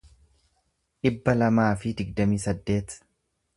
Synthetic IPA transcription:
ᶑɪbːɐlɐmaːfɪd̪ɪɡd̪ɐmiːsɐd̪ːe̞ːt̪

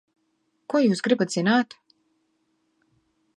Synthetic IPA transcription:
kɔjuːsɡɾibat̪z̥ʲinaːt̪

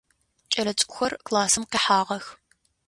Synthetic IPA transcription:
t͡ʃʼɐlɐt͡ʃʼkʷʼʊxɐrklaːsɨmqeːħaːʁɐx

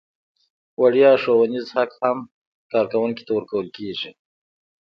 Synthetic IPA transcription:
waɽjɑʂowanizhakham | kɑɾkawʊŋki̥t̪awəɾkawəlkeʐi

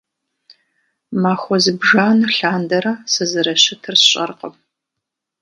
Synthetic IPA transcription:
maːxʷɔzɨbʒaːnɨɬaːndɐɾɐsɨzɨɾɐɕɪtʰɨrsɕʼɐ̰rqəm

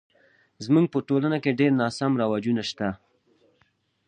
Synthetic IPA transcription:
zmuŋɡ̚pəʈolanakeɖeɾnɑsamɾawad͡ʒunaʃt̪a

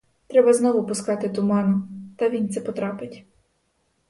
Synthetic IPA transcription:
t̪ɾɛbɐznɔʋʊpʊskɑt̪ɪt̪ʊmɑnʊt̪ɐʋʲint̪sɛpɔt̪ɾɑpɪtʲ

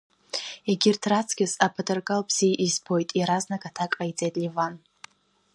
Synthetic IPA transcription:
eɡʲɪrtʰrat͡sʰɡ̥ʲɪzapʰatʼarɡʼalpʰz̥iʔizbʰojtʼjaɾaznakʼatʰakʼait͡sʼejtʼlʲivan

